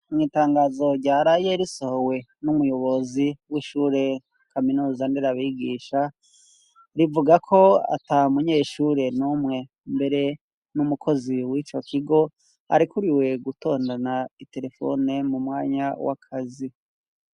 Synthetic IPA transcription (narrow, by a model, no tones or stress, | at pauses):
mŋiːtaːŋɡaːzo̞ɾɟaːɾaje̞ɾiso̞howe̞numujo̞βo̞ziwiʃuːɾe̞ | kʰaminuːzandiɾaβiɡiːʃa | ɾivuɡakʰo̞a̰taumuɲe̞ːʃuɾe̞numŋe̞ | mbe̞ɾe̞ | numukʰo̞ziwiːt͡ʃo̞kʰiɡo̞ | ha̰ɾikuɾiwe̞ɡuto̞ːndanaite̞ɾe̞fo̞̰nemumŋaːɲawa̰kʰazi